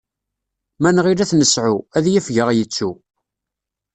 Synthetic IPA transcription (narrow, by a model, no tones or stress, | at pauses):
mænʁiɾæθnəsʕuæðjəfʝəʁjət͡sːu